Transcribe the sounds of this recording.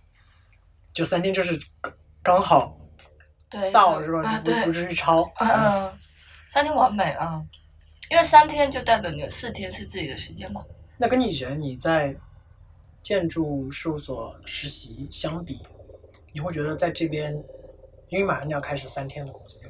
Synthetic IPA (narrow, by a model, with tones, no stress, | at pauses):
t͡ɕjo˥˧˩ʊsa˥nt̪ʰjɛ˥nt͡ɕjo˥˧ʊʂɻ̩˥˩ | kɑ˥ŋxɑ˨˩˦ʊ | t̪we˥˩ɪt̪ɑ˥˩ʊʂɻ̩˥˩ba˧˩˥pu˥u˥˧˥ʈ͡ʂɻ̩˥˧y˥˩ʈ͡ʂʰɑ˥ʊ˥˩ | sa˥nt̪ʰjɛ˥nwa˧˥nme˨˩ɪʔɐ˥˧ | i˥nwe˥˩ɪsa˥nt̪ʰjɛ˥nt͡ɕjo˥˧ʊt̪a˥˩ɪpni˥˩ɡə˨sɹ̩˥˩t̪ʰjɛ˥nʂɻ̩˥˧t͡sɹ̩˥˩t͡ɕi˨˩d̪ə˦ʂɻ̩˧˥t͡ɕjɛ˥nmɐ˨na˥˩kə˥nni˨˩ɻɥɛ˧˥nni˨˩t͡sa˥˧ɪ | t͡ɕjɛ˥˧nʈ͡ʂu˥˧ʂo˥˩ʊswɔ˨˩˦ʂɻ̩˧˥ɕi˧˥ɕjɑ˥ŋpi˨˩˦ | ni˨˩xwe˥˩ɪt͡ɕɥɛ˧˥d̪ə˧t͡sa˥˧ɪʈ͡ʂɤ˥˩pjɛ˥n | i˥nwe˥˩ɪma˨˩ɻɑ˧˥˩jɑ˥˩kʰa˥ɪʂɻ̩˨˩sa˥nt̪ʰjɛ˥nd̪ə˨˩kʊ˥ŋɕi˧˩˥